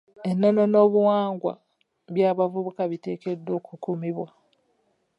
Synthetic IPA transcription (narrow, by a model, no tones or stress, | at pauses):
e̞nːo̞no̞no̞ːβuwaːŋɡwa̰ | βjaːβavuβukaβite̞ːke̞dːo̞ːkukumiβwa